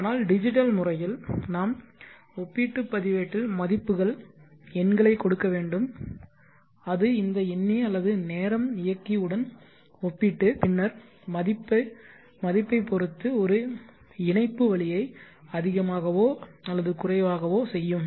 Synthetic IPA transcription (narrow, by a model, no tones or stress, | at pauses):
aːnaːlɖɪd͡ʒɪʈ̬ːɐlmʊrɐjɪlnaːm | ɔpːiʈːɯpːɐðɪʋeːʈːɪlmɐðɪpːɯɣɐɭ | ɛnɡɐɭɐɪkːɔɽɯkːɐʋeːɳɖɯm | ɐðɯɪnd̪ɐɛnːiɐlːɐðɯneːɾɐmɪjɐkːiɯɽɐn | ɔpːiʈːɯpɪɳːɐɾ | mɐðɪpːɐ | mɐðɪpːɐɪpːɔɾɯt̪ːɯɔɾɯ | ɪɳɐɪpːɯʋɐɭɪjɐɪ | ɐðɪɣɐmaːɣɐʋoːɐlːɐðɯkʊrɐɪʋaːɣɐʋoːsɛjːɯm